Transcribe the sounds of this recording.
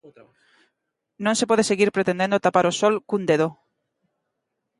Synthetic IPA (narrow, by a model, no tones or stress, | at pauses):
nõŋsepɔð̞eseɣiɾpɾet̪end̪ẽnd̪ot̪apaɾosɔlkund̪eðo